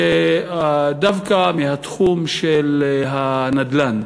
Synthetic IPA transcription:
e | d̪avkamiɦat̪χumʃelɦanad̪lan

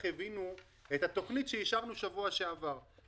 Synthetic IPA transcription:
evinu | e̞t̪hat̪o̞χnitʃeiʃaʁnuʃavuaʃeavaʁ

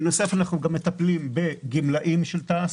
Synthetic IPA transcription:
nosefanaχnuɡamːet̪aplimbe̞ɡimlaʔimʃelt̪aːs

